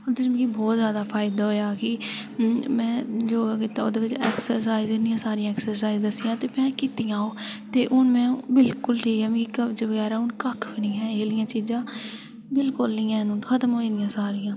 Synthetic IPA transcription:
od̪ɪt͡ʃmkibɔːt̪zjaːd̪aːpʰaːɪd̪aːɦoːjaːkɪ | mɛ̃ːd͡ʒoːɡaːkiːt̪ao̰ːd̪eːʋɪt͡ʃeːksəɾsaːizɪnɪijãːsaːɾɪjãːɛːksəɾsaːizd̪əsɪjãːt̪eːmɛ̃ːkɪt̪ɪjãːoːt̪eːʔʊnmɛ̃ːbɪlkʊlʈʰiːkɛːm̃ːkikəd͡ʒəʋəɡɛːɾaːʊnkəkʰʋɪnɪɛ̃ːeːlɪjãːt͡ʃiːd͡ʒãː | bɪlkʊlnɪːɛ̃ːnnxət̪əmɦoːĩːd̪ɪjãːsaːɾɪjãː

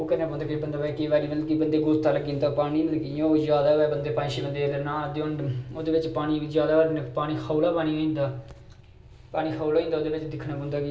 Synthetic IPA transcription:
oːkəɾnaːpɔ̃ːnd̪aːkːbənd̪aːbaːkiʋɛːliːməlkibənd̪eːɡʊst̪aːləɡĩːnd̪aːpaːɽ̃iːnləɡijãːoːzjaːd̪aːɛːbənd̪eːpãːʃiːbənd̪eːlənaːd̪eʊɳɖoːd̪eːʋɪt͡ʃpaːɽ̃iːzjaːd̪aːɾnpaːɽ̃iːxʰaːlaːpaːɽ̃iːoĩːnd̪aː | paːɽ̃iːxʰaːlaːĩnd̪aːoːd̪eːʋɪt͡ʃd̪ɪkʰnãːpɔ̃ːnd̪aːkː

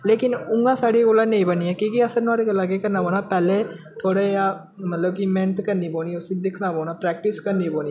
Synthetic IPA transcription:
leːkɪnʊŋɡãːsaːɽiːɡoːlãːnẽĩːbəniːɛːkiːkiəsəɾnãːɾeɡəlːaːɡeːkəɾnaːboːnaːpɛːleː | t̪ʰoːɽeːaː | mət̪ləb̚kimɛ̃nt̪kəɾniːboːniːʊsiːd̪ɪkʰnaːboːnaːpɾɛːk̚ʈɪskəɾniːboːniː

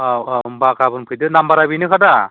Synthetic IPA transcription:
aabakabɯnpʰɯjdɯnambaɾabinɯkʰada

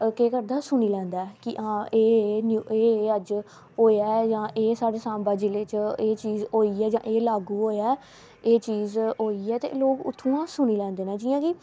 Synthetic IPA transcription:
keːkəɾd̪aːsʊniːlɛ̃ːnd̪aːɛːkɪʔãːeːnjueːəd͡ʒ | ɦoːjaːd͡ʒãːʔeːsaːɖeːsãːmbaːd͡ʒɪlet͡ʃeːt͡ʃiːzoːiːɛːd͡ʒã̰ːʔeːlaːɡuːɦoːjaː | eːt͡ʃiːzɦoːiːɛːt̪ḛːloːkʊ̰t̪ʰːũːãːsʊniːlɛ̃ːnd̪eːnãːd͡ʒɪːãːkɪ

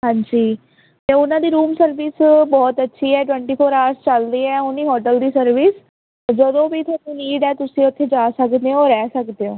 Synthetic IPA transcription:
ɦãːɲd͡ʒiː | t̪eːʊnãːd̪iːɾuːmsəɾʋɪsbɔːt̪ətːʃʰiːɛːʈwɛ̃ːɳʈiːpʰoːɾaːɾst͡ʃəld̪iːɛːʊniːɦɔːʈəld̪iːsəɾʋɪs | d͡ʒəd̪õːbiːt̪ʰːũːniːɖɛːt̪ʊsĩːʊt̪ʰːeːd͡ʒaːsəkd̪eːoːɾɛːsəkd̪eːõː

